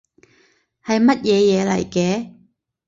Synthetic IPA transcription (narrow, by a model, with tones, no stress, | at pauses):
hɐ˨jmɐ˥t̚jɛː˨˧jɛː˨˧lɐ̰˨˩jkɛː˨˥